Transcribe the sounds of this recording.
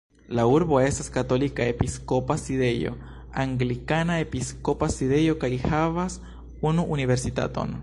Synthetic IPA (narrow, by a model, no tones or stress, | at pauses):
lauɾbo̞e̞staskato̞likae̞piskopaside̞jo̞̰ | aŋɡlikanae̞piskopasiðe̞jo̞kajhavas | unuʔunive̞ɾsita̰to̞̰n